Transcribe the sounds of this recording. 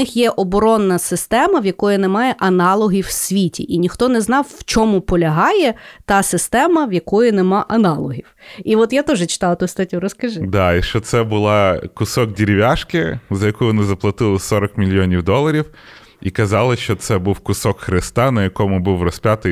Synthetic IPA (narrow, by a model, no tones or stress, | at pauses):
ɪxjɛʔɔbɔɾɔnːɐsɪst̪ɛmɐwjɐkɔjʊnɛmɑjɛʔɐnɑlˠɔɦʲiwsʲʋʲitʲḭʔinʲixt̪ɔnɛznɑwwt͡ʃɔmʊpɔlʲɐɦɑjɛt̪ɑsɪst̪ɛmɐwjɐkɔjʊnɛmɑʔɐnɑlˠɔɦʲiwiʋɔt̪jat̪uʒɛt͡ʃɪ̥t̪ɑj̪ˠt̪ust̪ɐtʲuɾɔskɐʒɪd̪ɑiʃt͡ʃɔt̪sɛbʊlˠɑkʊsɔk̚dʲiɾʲɪʋʲaʃkɪzɐjɐkujʋɔnɪzɐplˠɐt̪ɪlˠɪsɔɾɐkmʲilʲjɔnʲiwd̪ɔlˠɐɾʲiw | ikɐzɑlˠɪʃt͡ʃɔt̪sɛbuwkʊsɔkxɾɪst̪ɑnɐjɐkɔmʊbuwrɔsʲpʲjat̪ɪ